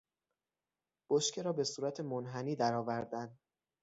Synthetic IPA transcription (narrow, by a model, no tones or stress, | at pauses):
b̥oʃcʰe̞ɾɒːbe̞suːɾæt̪ʰe̞monɦæniːd̪æɾɒːvæɾd̪ænd̪